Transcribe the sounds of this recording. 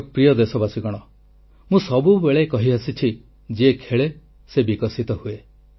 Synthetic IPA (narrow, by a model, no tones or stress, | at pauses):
pɾijɔd̪esɔbasiɡɔɽ̃ɔ | mũsɔbubeɭekɔɦiasit͡ʃʰi | d͡ʒiekʰeɭe | sebikɔsit̪ɔhue